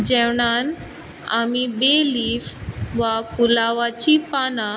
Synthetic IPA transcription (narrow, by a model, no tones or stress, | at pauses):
d͡ʑɛʋɳan | amibeliːfʋapulaʋat͡ɕipana